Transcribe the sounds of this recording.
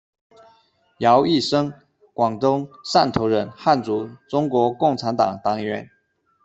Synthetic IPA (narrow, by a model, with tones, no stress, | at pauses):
jɑ˧˥ʊi˥˩ʂɤ˥ŋ | kwɑ˨˩ŋt̪ʊ˥ŋʂa˥˩nt̪ʰo˧˥ʊɻə˧˥nxa˥˩nt͡su˧˥ʈ͡ʂʊ˥ŋkwɔ˧˥kʊ˥˩ŋʈ͡ʂʰa˧˥nt̪ɑ̰˨˩ŋt̪ɑ˨˥˩ŋɥɛ̰˧˥n